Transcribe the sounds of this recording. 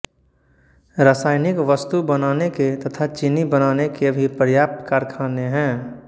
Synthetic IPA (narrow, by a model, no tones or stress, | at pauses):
ɾaːsaːɪnɪkʋəst̪ubənaːneket̪ɐt̪ʰat͡ʃɪnibənaːnekebʱipəɾjaːp̚t̪kaːɾkʰaːneɦɛ̃ː